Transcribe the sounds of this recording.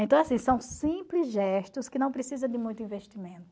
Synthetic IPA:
ẽt̪ɐ̃w̃asĩsɐ̃w̃sĩplɪzʒɛʃt̪ʊskɪnɐ̃w̃pɾesizɐ̃d̪ɪmũj̃t̪ʊĩveʃt̪imẽnt̪ʊ

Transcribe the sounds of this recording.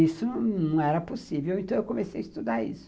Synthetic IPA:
isʊ̃nɐ̃w̃ɛɾɐposivewẽnt̪ɐ̃w̃ewkomesejɐist̪ud̪aḭsʊ̥

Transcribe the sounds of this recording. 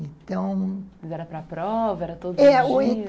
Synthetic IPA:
ẽt̪ɐ̃w̃ɐzɛɾɐpɾɐpɾɔvɐɛɾɐt̪od̪ɛoẽ

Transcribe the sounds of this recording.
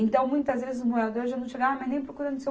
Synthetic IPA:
ẽnt̪ɐ̃w̃mũj̃t̪ɐzvezɪzʊmoad̪oɾʒanɐ̃w̃ʃeɡavɐmajnẽj̃pɾokuɾɐ̃nd̪ʊse

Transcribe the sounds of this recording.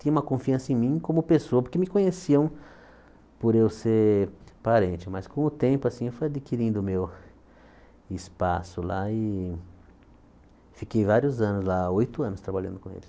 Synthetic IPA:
t̪ĩɲɐ̃ũmɐkõfiɐ̃sɐẽj̃mĩkõmʊpesoɐpoɾkɪmɪkõɲesiɐ̃w̃ | pʊɾewseɾpaɾẽnt͡ʃɪmɐskõʊt̪ẽmpʊasĩewfojad̪ikiɾĩnd̪ʊmew | ɪspasʊlaɪ | fikejvaɾjʊzɐ̃nʊslaojt̪ʊɐ̃nʊst̪ɾabaʎɐ̃nd̪ʊkõḛlɪs

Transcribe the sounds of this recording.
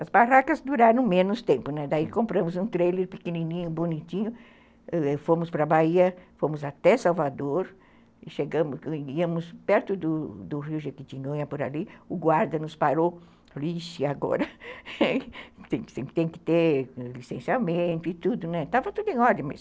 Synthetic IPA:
ɐzbarakɐzd̪uɾaɾɐ̃w̃mẽnʊst̪ẽmpʊnɛd̪aikõmpɾɐ̃mʊzũt̪ɾejleɾpɪkeninĩɲʊbonit͡ʃĩɲʊ | fõmʊspɾɐbaiɐfõmʊzat̪ɛsawvad̪oɾ | ɪʃeɡɐ̃mʊsiɐ̃mʊspɛɾt̪ʊd̪ʊd̪ʊriʊʒekit͡ʃiɲõjɐpʊɾa̰liʊɡwaɾd̪ɐnʊspaɾo | liʃɪaɡɔ̰ɾɐ | t̪ẽsẽt̪ẽj̃kɪ̥t̪eɾlisẽsiawmẽnt̪ʊɪt̪ud̪ʊnɛt̪avɐt̪ud̪ʊẽj̃ɔɾd͡ʒɐmɐs

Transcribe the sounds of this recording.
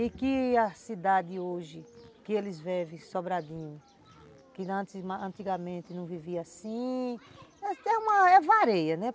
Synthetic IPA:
ɪkɪɐsid̪ad̪ɪoʒɪkɪelɪzvɛvẽsobɾad̪ĩɲʊ | kɪɐ̃t̪ɪzmaɐ̃nt̪iɡɐmẽnt̪ɪnɐ̃w̃viviɐasĩ | ɛɛũmɐɛvaɾejɐnɛ

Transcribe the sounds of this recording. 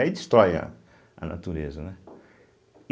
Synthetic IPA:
ɛid̪ist̪ɾɔjɐ̰ | ɐ̰na̰t̪uɾezɐnɛ

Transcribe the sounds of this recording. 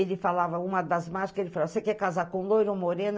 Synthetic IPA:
elɪfalavɐũmɐd̪ɐzmaʒi̥kɐelɪfalavɐsekɛkazaɾkõlojɾõmoɾẽn

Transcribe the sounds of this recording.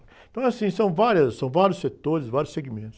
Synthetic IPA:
ẽt̪ɐ̃w̃ɛasĩsɐ̃w̃vaɾjɐssɐ̃w̃vaɾjʊset̪oɾɪsvaɾjʊseɡimẽnt̪ʊ̥

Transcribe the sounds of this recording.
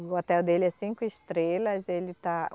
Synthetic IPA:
ot̪ɛwd̪elɪɛsĩŋkʊɪst̪ɾelɐzelɪt̪a

